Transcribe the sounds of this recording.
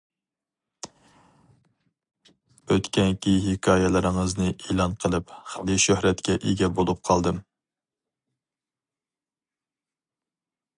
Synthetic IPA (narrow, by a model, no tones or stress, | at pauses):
øt̪kʲɛnkʲiɦikʲʰɑːjɛlɪɾɪŋɨznɨʔeːlˠɑnqʰəlˠɨpχlˠɨʃøhɾɛt̪kʲɛʔeɡʲɛbolˠup̚qʰɑlˠd̪ɨm